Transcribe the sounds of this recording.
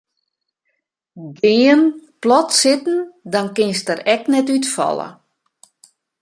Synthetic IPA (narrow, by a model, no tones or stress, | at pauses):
ɡɪənplɔtsɪtn̩dɔnkɪnstəɾɛknɛtytfɔ̰lˠə̰